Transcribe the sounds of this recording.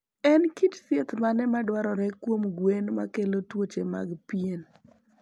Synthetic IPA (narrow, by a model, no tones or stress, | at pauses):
ɛnkit͡ʃsjet̪manɛmadwaɾɔɾɛkwomɡwenma̰kelotwot͡ʃema̰ɡpjen